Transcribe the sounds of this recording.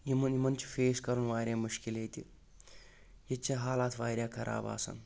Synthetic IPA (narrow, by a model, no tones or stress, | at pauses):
imɐnimɐnt͡ʃi̥feːskɐɾunʋaːɾʲjeːmuʃkilejt̪i | jet͡ʃːɐɦaːlaːt̪ʰʋaːjɾjaːkʰɐɾʔa̰ːba̰ːsɐ̰n